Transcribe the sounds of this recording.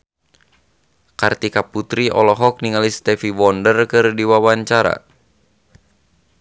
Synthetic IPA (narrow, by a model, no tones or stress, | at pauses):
kart̪ikaput̪ɾiʔɔ̰lɔɦɔk̚niŋalist̪ɛfiwɔndərkɨrdiwawaɲt͡ʃaɾa̰